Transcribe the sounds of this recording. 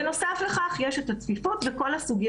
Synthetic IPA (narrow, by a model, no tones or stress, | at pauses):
eno̞safleχaχjeʃetat͡smifutveko̞lasuɡij